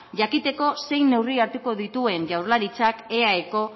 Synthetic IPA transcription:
ʝakit̪e̞ko̞se̞jne̞wriaɾt̪uko̞ðit̪ue̞nʝawɾlaɾit͡sake̞aeko̞

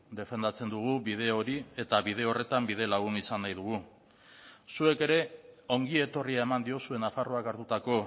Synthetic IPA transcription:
d̪e̞fe̞nd̪at͡se̞nd̪uɣ̞uβið̞e̞o̞ɾie̞t̪aβið̞e̞o̞re̞t̪ambið̞e̞laɣ̞unisanːajð̞uɣ̞u | sue̞ke̞ɾe̞o̞ŋɡie̞t̪o̞riae̞mand̪io̞sue̞nafaro̞akaɾt̪ut̪ako̞

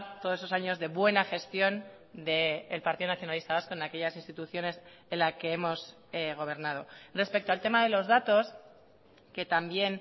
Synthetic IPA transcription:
t̪osesosaɲo̞zðe̞βwe̞naxe̞st̪jo̞n | d̪e̞ːlpaɾt̪iðonaθjo̞nalist̪aβasko̞enake̞ʎasinst̪it̪uθjo̞ne̞s | enlake̞emo̞s | eɣ̞o̞β̞e̞ɾnað̞o̞re̞spe̞k̚t̪oalt̪e̞maðe̞lo̞zðat̪o̞s | ke̞t̪ambje̞n

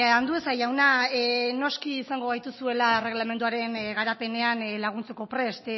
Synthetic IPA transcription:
and̪uesajawnano̞skiːsaŋɡo̞ɣ̞ajt̪usue̞lae̞re̞ɣ̞lame̞nd̪uaɾe̞nɣaɾape̞ne̞anlaɣ̞unt͡seko̞pɾe̞st̪

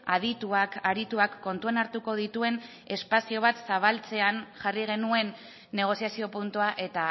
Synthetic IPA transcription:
aðit̪uakaɾit̪uakːo̞nt̪uenaɾt̪uko̞ð̞it̪ue̞n | e̞spasio̞β̞at̪saβ̞alt͡se̞anʝariɣ̞e̞nue̞nː | e̞ɣ̞o̞siasio̞punt̪uaʔe̞t̪a

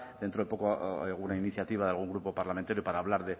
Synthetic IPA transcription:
d̪̥e̞nt̪ɾo̞epo̞koɣunainiθjat̪iβaðealɣ̞uŋɡɾupo̞paɾlame̞nt̪aɾjo̞paɾaːβ̞laɾðe̞

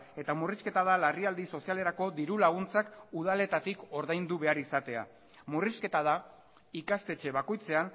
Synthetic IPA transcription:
e̞t̪amuriske̞t̪að̞alariald̪iso̞siale̞ɾako̞d̪iɾulaɣ̞unt͡sakuð̞ale̞t̪at̪iko̞ɾðajnd̪uβe̞aɾisat̪e̞a̰ | muriske̞t̪að̞a | ikast̪e̞t͡ʃe̞βako̞jt͡se̞an

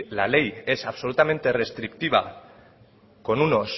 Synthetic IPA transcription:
lale̞je̞saβso̞lut̪ame̞nt̪e̞re̞st̪ɾikt̪iβ̞a̰ | ko̞nuno̞s

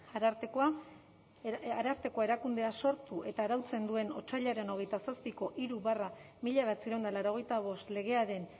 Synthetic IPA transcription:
a | aɾaɾt̪e̞ko̞ae̞ɾakund̪e̞aso̞ɾt̪uʔe̞t̪aːɾawt͡se̞nd̪ue̞no̞t͡ʃaʎaɾe̞no̞ɣe̞jt̪asaspiko̞ʔiɾuβara | miʎaβat͡siɾawnd̪alaɾo̞ɣ̞ejt̪aβ̞o̞st̪le̞ɣ̞e̞aɾe̞n

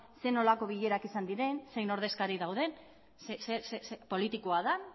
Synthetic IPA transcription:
se̞no̞lako̞βiʎe̞ɾakisand̪iɾe̞nse̞jno̞ɾð̞e̞skaɾiðawð̞e̞n | sesesspo̞lit̪ikoaða

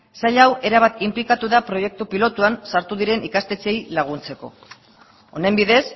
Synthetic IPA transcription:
saʎawe̞ɾaβ̞at̪implikat̪uðapɾo̞je̞k̚t̪upilo̞t̪uansaɾt̪uðiɾe̞nikast̪e̞t͡se̞jlaɣ̞unt͡se̞ko̞̰ | one̞mbiðe̞s

